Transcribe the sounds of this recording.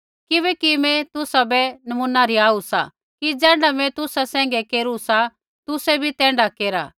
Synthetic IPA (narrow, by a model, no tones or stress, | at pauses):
kɪbɛkimɛ̃t̪ʊsabɛnɐmunaɾiaːusa̰ | kid͡zɛ̃ːɖamɛ̃t̪ʊsasɛ̃ːŋ̆ɡɛkeːɾusa | t̪ʊsɛbʱit̪ɛ̃ːɳɖakeːɾa̰ː